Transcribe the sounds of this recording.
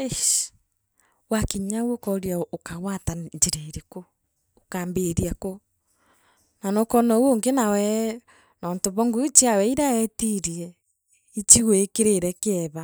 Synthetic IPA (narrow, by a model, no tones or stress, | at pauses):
eʃ | wakiɲawokɔɾiaokaɣwataɲd͡ʒiɾeɾikoː | kaːmbeɾiako | nanokɔnɔwoŋɡenawɛ | nɔːntoβɔŋɡuit͡ʃiawɛiɾaɛtiɾiɛ | it͡ʃiweekeɾeɾɛkeɛβa